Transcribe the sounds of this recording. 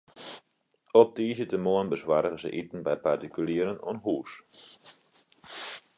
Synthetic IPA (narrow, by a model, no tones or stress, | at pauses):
ɔp̚diːzətəmoənbəswaːɾəɣəzə̰ʔitn̩bɛjpartikyliəɾəno̰nɦuːs